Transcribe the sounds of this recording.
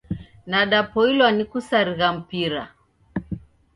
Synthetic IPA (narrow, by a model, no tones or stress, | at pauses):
naɗapɔilwanikusaɾiɣam̩piɾa̰